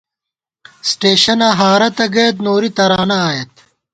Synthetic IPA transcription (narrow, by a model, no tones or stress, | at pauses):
sʈeːɕɐnaːɦaːɾɐt̪ɐɡeːt̪noːɾit̪ɐɾaːnɐːjɐt̪